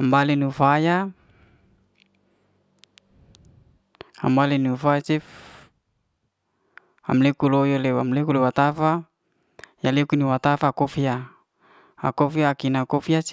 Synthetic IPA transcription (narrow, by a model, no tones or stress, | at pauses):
ambalinufaja | ambaliniufajsif | a̰mlekulojolewamlekulowat̪afa | jalekuniwat̪afakofia | a̰kofiakinakofias